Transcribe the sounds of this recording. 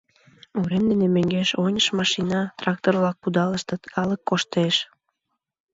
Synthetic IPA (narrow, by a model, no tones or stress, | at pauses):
uɾemd̪enemøŋɡeʃonʲəʃmɑʃinɑt̪rɑk̚t̪orβlɑk̚pud̪ɑləʃt̪ɤt̪kɑləkːoʃt̪eʃ